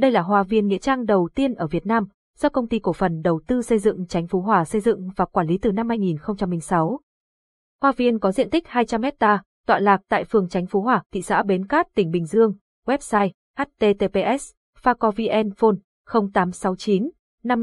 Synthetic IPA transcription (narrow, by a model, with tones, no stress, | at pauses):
ɗə˧jlaː˨˩ɦwaː˧˩vi˧ənŋḭ˧˥ət͡ɕaː˧ŋɗə˨˩wt̪i˧ənʔəː˧˩vi˨˩ət̚naː˧m | z̥ɔ˧kə˧wŋ͡mt̪i˧ku˧˩fə˨˩nɗə˨˩wt̪ɨ˧sə˧jzɨ̰˧˨ŋt͡ɕa˨˦jŋ̟fu˨˦ɦwaː˨˩sə˧jzɨ̰˧˨ŋvaː˨˩kwaː˧˩nli˨˦t̪ɨ˨˩na˧mhaː˧jŋi˨˩nxə˧wŋ͡mt͡ɕa˧mːlï˧ŋ̟sa˨˦w | hwaː˧vi˧ənkɔ˨˦zḭ˧˨ənt̪ï˦˥k̟̚haː˧jt͡ɕa˧mːɛ˦˥t̚t̪aː˧ | t̪wa̰ː˧˨laː˨˩k̚t̪a̰ː˧˨jfɨ˨˩əŋt͡ɕa˨˦ŋ̟fu˨˦ɦwaː˧˩t̪ʰḭ˧˨sa̰ː˧˥ɓe˨˦nkaː˦˥t̚t̪ï˨˩ŋ̟ɓï˨˩ŋ̟zɨ˧əŋ | wɛ˦˥p̚saː˧j | ʔɛ˦˥t̚t̪e˧t̪e˧pe˧ʔɛ˦˥s | faː˧kɔ˧vi˧ʔɛ˧nfo˧n | xə˧wŋ͡mt̪aː˨˦msa˨˦wt͡ɕi˨˦n | na˧m